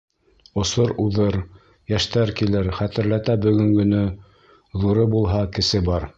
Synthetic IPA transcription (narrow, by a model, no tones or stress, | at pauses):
ŏsoɾuðɤɾ | jæʃt̪æɾkilɘɾχæt̪ɘ̆ɾlæt̪æbɵ̆ɡɵ̆ŋɡɵ̆nɘ | ðuɾɤbulˠɦɑkɘ̆sɘbɑɾ